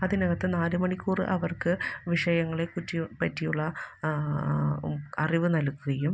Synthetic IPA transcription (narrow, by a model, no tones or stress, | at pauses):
ɐðinɐɣɐt̪ːɨnaːɾumɐɳikːuːrɨ̰ʔɐʋɐrkɨʋiʂɐjɐŋːɐɭekutːipɐtːijuɭːɐ | ɐriʋɨnɐlkːuɣɐjum